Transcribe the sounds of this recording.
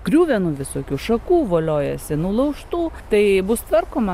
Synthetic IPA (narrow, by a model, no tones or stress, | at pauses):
kɾʲuːʋʲɛnuːʋʲɪsoːkʲuːʃɐkuːʋoːlʲoːjɛsʲɪnulˠɐʊʃt̪uːt̪ɐɪbʊst̪ʋɐrkoːmɐ